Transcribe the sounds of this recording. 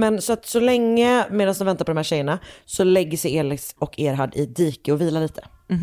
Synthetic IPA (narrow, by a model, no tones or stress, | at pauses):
mɛnsɔat̪sɔlɛŋːəmeːd̪ansd̪ɔnvɛnt̪aɾpʰɔd̪ɔmhæːɕɛjːəɳasɔlɛɡːəsɛjeːɭɪksɔkʰeːɾɦaɖɪd̪iːkəɔviːlaɭiːt̪ʰə̥